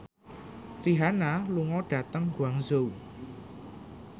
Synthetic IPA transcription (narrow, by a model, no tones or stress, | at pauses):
riɦanaluŋɔɖ̥a̤t̪əŋɡwaŋzuw